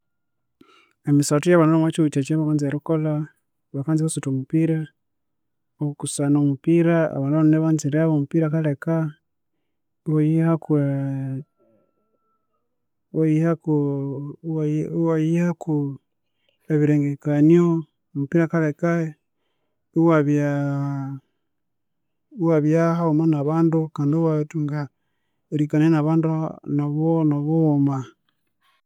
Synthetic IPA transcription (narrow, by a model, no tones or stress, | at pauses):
emisatujaβanaomwat͡ʃiβut͡ʃat͡ʃeβakaːnzeɾukola | βakaːnziβasutomupiɾa | okusanomupiɾaa̰βaːnaβaneβanziɾeaβomupiɾakaleka | woaku | oaku | waiaku | eβiɾeŋɡekanio | mupiɾakaɾeka | uwaβja | uwaβjahaomanaβaːndukaːndewatuŋɡa | ɾikanenaβaːndunaβonaβoːma